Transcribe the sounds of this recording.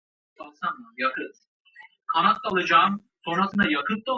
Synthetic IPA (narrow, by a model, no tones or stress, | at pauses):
asanajakʰɯz | kʰanat̪̚ːalˠɯd͡ʒaːm | so̞nɾasɯnajakʰɯp̪̚d̪o